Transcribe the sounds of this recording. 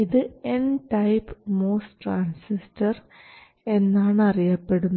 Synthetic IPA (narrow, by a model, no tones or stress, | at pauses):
iðɨenʈɐjpmoːsʈraːnsistɐr | e̞nːaːɳɨɐrijɐpːe̞ɽunːɐ